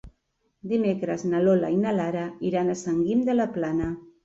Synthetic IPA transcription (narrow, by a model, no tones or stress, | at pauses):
d̪imekɾəznalola̰inalaɾaiɾanasaŋɡimd̪əlaplana